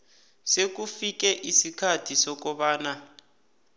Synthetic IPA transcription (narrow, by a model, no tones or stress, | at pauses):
sek̬ufik̬ɛʔisikʰatʰisɔk̬ɔɓaːna